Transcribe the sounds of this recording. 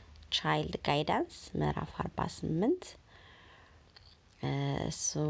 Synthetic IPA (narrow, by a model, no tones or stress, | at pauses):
t͡ʃajld̪ɡajdansmə̰ɾa̰faɾba̰sɨmːɨnt̪ | ɨ̰su